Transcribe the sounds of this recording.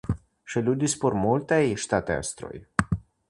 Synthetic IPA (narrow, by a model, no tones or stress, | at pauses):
ʃilʲud̪ispurmult̪ejʃt̪at̪ea̰st̪ɾo̰j